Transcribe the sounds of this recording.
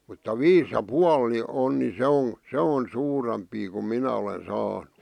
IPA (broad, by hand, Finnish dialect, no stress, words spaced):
mutːɑ ʋiːs jɑ puɑl ni on ni se on̞ se on suːrempiː kum minæ olen sɑːnu̥